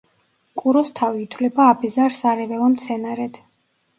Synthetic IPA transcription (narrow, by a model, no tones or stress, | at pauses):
kʼuɾɔst̪ʰaviːt̪ʰwlɛbaːbʰɛzaɾsaɾɛvɛlˠɔmt̪sʰɛnaɾɛd̪̥